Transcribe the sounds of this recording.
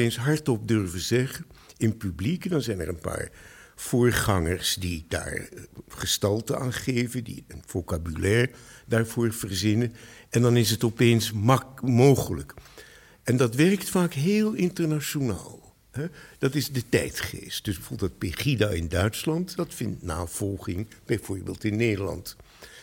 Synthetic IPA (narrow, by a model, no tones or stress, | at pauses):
ejnsɦɑɹtɔp̚døɹvəzɛχəɪnpyblikdɑnzɛjnɛ̰ɹənpa̰ːɹ | v̥ʊːɹχɑŋəɹsdid̥a̰ːɹχəstɑlˠtəa̰ːnχejvəndḭənv̥okabylɛːɹdaːɹv̥ʊːɹv̥ərzɪnəɛndɑnɪsətɔpejnsmowχələk | ɛndɑtʋɛrktfaːkɦeːlˠɪntəɹnaʃona̰ːlˠ | ɦɛd̥ɑtɪzdətɛ̰jtχḛst̚d̥ɵsbəfulˠdɑt̚peχidaːɪndœɥtslɑntdɑtfɪntna̰ːv̥ɔlˠχɪŋb̥ɛjv̥ʊːɹbḛːlˠtɪnːejdəɹlɑ̰nt